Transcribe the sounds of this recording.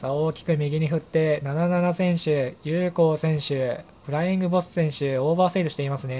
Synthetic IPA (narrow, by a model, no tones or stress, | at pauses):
sao̞ːkʲi̥kɯ̟mʲiɡʲiɲ̟iɸɯ̟t̪ːe̞nanananasẽ̞ɰ̃ɕɨjɯ̟ːko̞ːsẽ̞ɰ̃ɕɨ | ɸɯ̟ɾaĩŋɡɯ̟bo̞sɨ̥sẽ̞ɰ̃ɕɨoːbaːse̞ːd̪ɯɕi̥t̪e̞imasɨne̞